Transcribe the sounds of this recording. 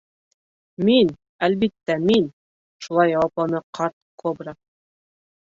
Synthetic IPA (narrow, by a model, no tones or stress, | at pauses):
min | ælβit̪ːæmin | ʃulˠɑjːɑwɑplˠɑnɤqɑɾt̪̚kʰobɾa